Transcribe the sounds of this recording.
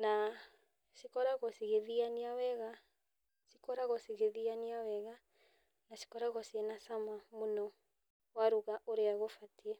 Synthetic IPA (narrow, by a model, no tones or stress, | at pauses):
na | ʃikɔɾaɣɔsiɣeðianiawɛɣa | ʃikɔɾaɣɔsiɣeðianiawɛɣa | naʃi̥kɔɾaɣɔsiɛnasamamonɔ | waɾuɣaʔoɾeaɣofatiɛ